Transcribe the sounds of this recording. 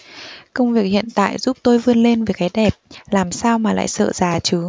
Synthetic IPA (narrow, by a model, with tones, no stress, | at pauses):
kə˧wŋ͡mvi˨˩ək̚hḭ˧˨ənt̪a̰ː˧˨jzu˦˥p̚t̪o˧jvɨ˧ənle˧nve˨˩jkaː˨˦jɗɛ˨˩p̚laː˨˩msaː˧wmaː˨˩la̰ː˧˨jsə̰ː˧˨z̥aː˨˩t͡ɕɨ˨˦